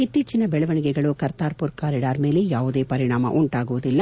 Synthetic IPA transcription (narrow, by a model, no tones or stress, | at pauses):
it̪ːiːt͡ʃinɐbɛɭɐʋɐɳiɡɛɡɐɭukɐɾt̪aːɾpuɾkaːɾiɖaːɾme̞ːlejaːʋud̪e̞ːpɐɾiɳaːmɐ̰ʔuɳʈaːɡuʋud̪ilːɐ